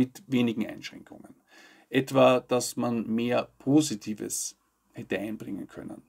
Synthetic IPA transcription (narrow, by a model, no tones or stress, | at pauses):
ɪtveːnɪɡŋ̩ʔa̰ɪnʃʁ̥ɛ̰ŋkʰʊŋən | ʔɛtv̥ad̥asmanmeːɐpʰoːzitʰiːvə̰s | hɛtəaɪnb̥ʁɪŋə̰nkʰœ̰nə̰n